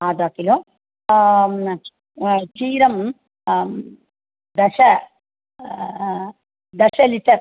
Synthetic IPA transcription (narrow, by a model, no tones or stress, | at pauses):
aːd̪aːkilo | t͡ʃiːɾɐm | d̪ɐʂɐ | d̪ɐʂɐliʈɐɾ